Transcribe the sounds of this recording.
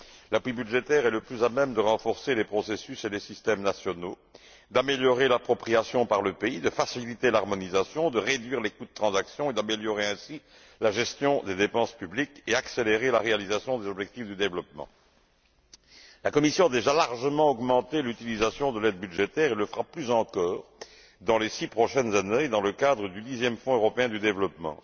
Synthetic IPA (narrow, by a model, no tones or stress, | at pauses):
lapwibyd̪ʒet̪ɛʁɛləplyzamɛmd̪əʁɑ̃fɔʁselepχɔsesyselesist̪ɛmnasjɔno | d̪ameljɔʁelapχɔpχijasjɔ̃paʁləpeid̪əfasilit̪elaʁmɔnizasjɔ̃d̪əʁed̪ɥiʁlekud̪ət̪χɑ̃zaksjɔ̃ed̪ameljɔʁeɛ̃si | laʒɛst̪jɔ̃d̪ed̪epɑ̃spyblikeakseleʁelaʁealizasjɔ̃d̪ezɔbʒɛk̚t̪ifd̪yd̪evlɔpmɑ̰̃ | lakɔmisjɔ̃ad̪eʒalaʁʒəmɑ̃ɔɡmɑ̃t̪elyt̪ilizasjɔ̃d̪əlɛd̪̚byd̪ʒet̪ɛʁelːəfəʁaplyzɑ̃kɔːʁ | d̪ɑ̃lesipχɔʃɛnzaned̪ɑ̃ləkad̪ʁəd̪yd̪izjɛmfɔ̃øʁɔpeɛ̃d̪yd̪evlɔpmɑ̰̃